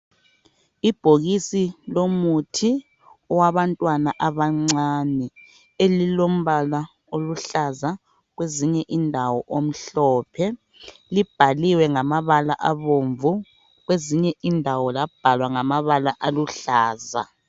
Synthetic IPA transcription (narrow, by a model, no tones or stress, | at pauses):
ib̥ʱoɣisilomutʰi | ɔwaβantʼwanaʔaβaŋ͡ǀaːnɛ | elilom̩βala | oluɬaza | ɣweziɲɛʔindʱawɔʔom̩ɬɔːpʰɛ | lib̥ʱaliwɛŋamaβalaʔaβoɱvu | ɣweziɲɛʔindʱawɔlab̥ʱalwaŋamaβalaʔaluɬaːza̰